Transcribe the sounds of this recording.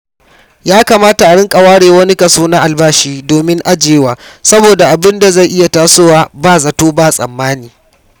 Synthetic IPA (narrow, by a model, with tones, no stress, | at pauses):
jaː˦kaː˨maː˦ta˨ʔa˨ɽɪ˦ŋkʼɐ˨waː˦ɽeː˨wɐ˦ni˦kɐ˨suː˦na˦ʔa˨lbaː˦ʃiː˦doː˨mɪ˦ŋʔa˦d͡ʒeː˦waː˨sɐ˦boː˨da˨ʔa˨bɪ˦nda˨za˦˨ʔɪ˦ja˨taː˦sʊ˦waː˨baː˦˨zɐ˨toː˦baː˦˨sʼɐ̰˨mːaː˦niː˨